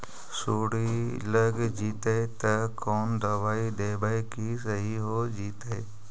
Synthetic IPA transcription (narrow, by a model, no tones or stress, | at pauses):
suːɽiləɡd͡ʒiːt̪əet̪ɐkoːnd̪ɐʋaːid̪eːbaːikisəɦiɦoːd͡ʒiːt̪əe